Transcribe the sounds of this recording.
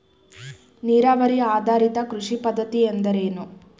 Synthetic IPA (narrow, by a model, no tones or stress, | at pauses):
niːɾaːʋɐɾiaːd̪ʱaːɾit̪ɐkɾuʂipɐd̪ʱːɐt̪iend̪ɐɾe̞ːnu